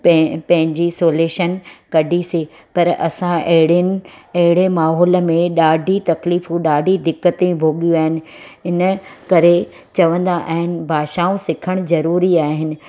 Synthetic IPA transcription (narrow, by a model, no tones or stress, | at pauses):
pɐpɐ̃ɦɪ̃ɲd͡ʑisoːleːʃənkɐɖʱise | pɐɾɐ̰sãʔɐɦɪɽɪn̆ɐɦɪɽemaːɦɔːlə̆mẽɗaːɖʱit̪ɐkliːfũɗaːɖʱid̪ɪkːət̪ebʱoːɠijũaːɦɪnɪ̆ɪnəkɐɾe | t͡ɕɐʋə̃nd̪aʔa̰ːɦɪnɪ̆bʱaːʃaːũsɪkʰəɽ̃zɐɾuːɾiaːɦɪnɪ̆